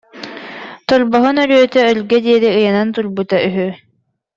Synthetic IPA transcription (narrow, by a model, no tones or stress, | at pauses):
t̪ɔɾbɔɦɯnœɾyːt̪ɛœlɡɛd̪iɛdiɯjanant̪uɾbut̪ayɦy